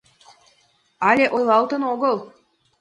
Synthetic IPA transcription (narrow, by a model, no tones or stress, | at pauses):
ɑlʲeʔojlˠɑlˠt̪ə̆noɣəlˠ